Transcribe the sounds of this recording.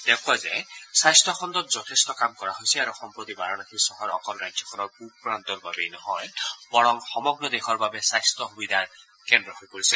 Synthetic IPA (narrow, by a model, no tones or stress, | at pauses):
d̥̪ɛkʰɔzɛsajstʰɔkʰɔnd̪ɔt̪zɔt̪ʰestɔkamkɔɹaɦojsiaɾuxɔmpɹot̪ibaɹɔnakʰisɔɦɔɹɔ̰kɔlɹajd͡ʒʱjɔkʰɔnɔɹkubpɹant̪ɔɹbabejnɔɦɔjbɔɹɔŋxɔmɔɡɹɔd̪exʰɔɹbabɛsajst̪ɔxubid̪ʱaɹ | kɛndɹɔhɔjpoɹisɛ